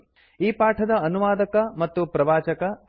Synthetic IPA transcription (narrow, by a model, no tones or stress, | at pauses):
iːpaːʈʰɐd̪ɐɐnuʋaːd̪ɐkɐmɐt̪ːupɾɐʋaːt͡ʃɐkɐ